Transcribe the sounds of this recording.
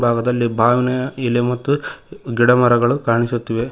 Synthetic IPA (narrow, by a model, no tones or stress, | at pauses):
bʱaːɡɐd̪ɐlːibʱaːʋinɐilemɐt̪ːuɡiɽɐmɐɾɐɡɐɭukaːɳisut̪ːiʋe